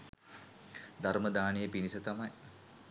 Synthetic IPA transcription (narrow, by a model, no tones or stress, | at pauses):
d̪aɾməd̪aːnijəpinisət̪amaj